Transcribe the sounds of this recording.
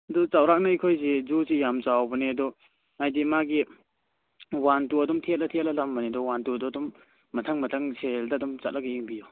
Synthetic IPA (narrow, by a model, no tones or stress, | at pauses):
ɐdɔt͡ʃawɾak̚naijkʰojzezuzijamt͡ʃawbɐnedɔ | ŋajdimaɡi | wantuɐdɔmtʰet̚lɐtʰet̚lɐlambanedɔwantuɐdɔdɔmː | ɐtʰaŋmɐtʰaŋseldadɔmt͡ʃa̰t̚laɡaiŋbijɔ